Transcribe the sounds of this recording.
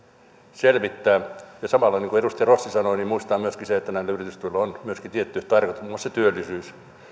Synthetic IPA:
selʋit̪ːæːjɑsɑmɑlːɑineŋkuedust̪iɑrosːisɑnoinimmuist̪ɑːmyøskiseet̪ːænæilːæyrit̪yst̪uilːɑonmyøskit̪iet̪ːyht̪ɑrkɑt̪uːoset̪yølːˑisyːs

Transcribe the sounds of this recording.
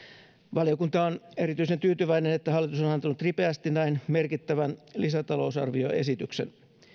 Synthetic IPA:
ʋɑliokunt̪ɑone̞ɾit̪yisent̪yːt̪yʋæinenet̪ːæɦɑlːit̪usonɑnt̪ɑnut̪ripeæst̪inæinmerkit̪ːæʋænlisæt̪ɑlo̞usɑ̰rʋio̰e̞̰sit̪yksen

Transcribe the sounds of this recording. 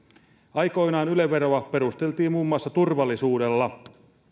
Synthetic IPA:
ɑjko̞jnɑːnyleʋːeɾoɑpeɾust̪e̞lt̪iːmmuːmːuɑsːɑt̪urʋɑlːisuːdelːɑ

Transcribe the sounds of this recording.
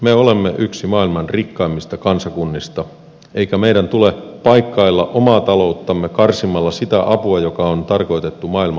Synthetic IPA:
meolemːeʔyksimɑːilmɑnrikːɑimːist̪ɑkɑnsɑkunːist̪ɑ | ʔeikæmeidænt̪ulepɑijkːɑilːɑʔomɑːt̪ɑlo̞ut̪ːɑmːekɑrsimɑlːɑsit̪æʔɑpuɑjo̞kɑont̪ɑrko̞it̪e̞t̪ːumɑːilmɑ

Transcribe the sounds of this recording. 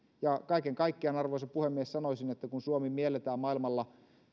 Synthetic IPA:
jɑkɑikeŋkɑikːeenɑrʋoˑisɑpuhemːiessɑnoisinet̪ːækunsuomimmielet̪æːmmɑilmɑlːɑ

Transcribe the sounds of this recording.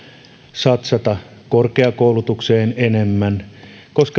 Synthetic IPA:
sɑt̪sɑt̪ɑkorkeɑkoulut̪ukseːnenemːænkoskɑ

